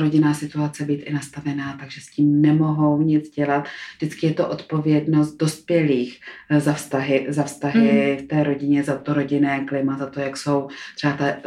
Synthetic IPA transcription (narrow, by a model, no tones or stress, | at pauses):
ɾo̞ɟɪnaːsɪt̪uat͡sɛbiːt̪ʔɪnast̪avɛnaːt̪aɡʒɛsciːmnɛmo̞ɦo̞wɲɪd͡zɟɛlat̪vʒdɪt͡skɪjɛt̪o̞ʔo̞t̪po̞vjɛdno̞st̪̚do̞spjɛliːxzafst̪aɦɪzafst̪aɦɪft̪ɛːɾo̞ɟɪɲɛzat̪oɾo̞ɟɪnɛːklɪmazat̪o̞jakso̞wt̪r̥ɛbat̪a